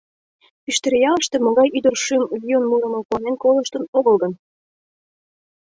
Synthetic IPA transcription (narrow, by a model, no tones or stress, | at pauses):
pyʃt̪ĕɾejɑləʃt̪emŏɣɑjyd̪ərʃymlʲionmuɾə̆mə̆kuɑnenkolˠə̆ʃt̪ə̆noɣə̆lɣən